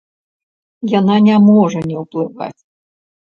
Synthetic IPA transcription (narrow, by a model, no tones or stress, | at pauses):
jananʲamɔʐɐnʲɛwplˠɨva̰t͡sʲ